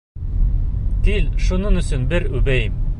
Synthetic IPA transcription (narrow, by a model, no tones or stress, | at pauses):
t̪ilʃunɤɴɵ̆sɵnbɘɾʉbæjɘm